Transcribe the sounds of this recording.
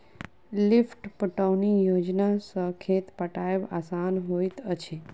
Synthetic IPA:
lifʈpəʈəwnijod͡ʒnasəkʰet̪pəʈajʋasanɦojt̪ət͡ʃʰe

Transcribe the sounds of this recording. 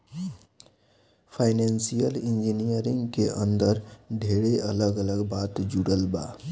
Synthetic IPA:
pʰaɪnensijəlɪ̃nd͡ʒinijəɾɪ̃ŋɡkeʔə̃nd̪əɾd̪ʱeːɽeʔələɡələɡbaːt̪d͡ʒuɽəlba̰ː

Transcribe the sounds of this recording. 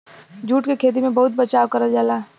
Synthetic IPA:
d͡ʒuːʈkekʰeːt̪̬imẽbɐɦʊt̪̚bɐt͡ʃaːwkɐɾəd͡ʒaːlaː

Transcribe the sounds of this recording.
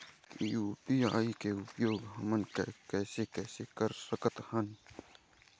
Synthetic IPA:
juːpiːa̰ːikeʊpjoːɡɦəmənkekɛːsekɛːsekəɾsəkət̪hən

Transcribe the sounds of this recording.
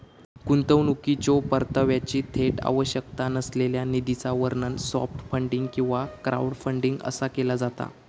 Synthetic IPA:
kunt̪əʋnukit͡ɕopəɾt̪əʋjat͡ɕiːt̪ʰeʈa̰ʋəɕək̚t̪anəsleljanid̪it͡saʋəɾɳənsɔ̰fʈfəɳɖiŋɡkĩw̃ʋakɾʔa̰uɽfəɳɖiŋɡə̰sakelad͡zat̪a̰

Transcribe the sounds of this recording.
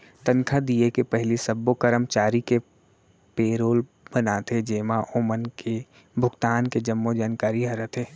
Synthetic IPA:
t̪ɐ̃nkʰad̪iekepɐɦɪlisɐbːokəɾəmt͡ʃaːɾike | peːɾoːl | bɐnat̪ed͡ʒeːmãʔoːmənke | bʱʊɡt̪aːnked͡ʒəmːod͡ʒaːnkaːɾiɦɐɾət̪ʰɦeː

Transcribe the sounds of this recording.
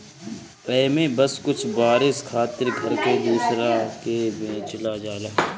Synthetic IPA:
pɛːmẽːbəskʊt͡ʃʰbaːɾɪskʰaːt̪ɪɾɡʱəɾked̪uːsɾakebẽːt͡ʃəlaːd͡ʒaːlaː

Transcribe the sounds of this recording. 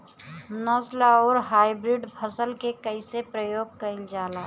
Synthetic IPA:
naːslaɔːɾɦaːɪbɾɪɖpʰəsəlkekəɪsepɾəjoːɡ̚kəɪ̃ld͡ʒaːlaː

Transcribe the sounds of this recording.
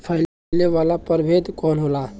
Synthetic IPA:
pʰəɪl | leʋalapəɾbʱed̪kɔnɦola

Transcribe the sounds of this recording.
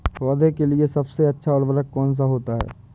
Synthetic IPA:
ɔːd̪ʱekeliesɐbseɐtːʃʰaɔːɾʋəɾəkːɔːns̬aɦoːt̪aɦɛ̰ː

